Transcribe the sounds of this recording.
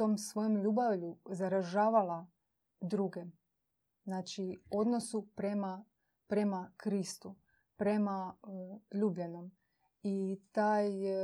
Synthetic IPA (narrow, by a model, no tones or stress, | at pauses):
t̪o̞msʋo̞jomʎuːbaʋʎuzaɾaʒaːʋala | d̪ɾuɡe | znaːt͡ʃio̞d̪no̞supɾema | pɾe̞makɾist̪u | pɾe̞ma | ʎuːbʎano̞m | it̪aːj